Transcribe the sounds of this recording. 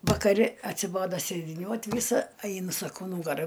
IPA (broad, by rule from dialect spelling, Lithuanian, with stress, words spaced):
ʋɐkɐˈrʲɪ ɐtʲsʲɪˈboːdoː sʲeːdʲɪˈnʲuɔt ˈʋʲiːsɐ ˈɐɪnʊ ˈsɑːkoː ˈnuːɡɐrɐ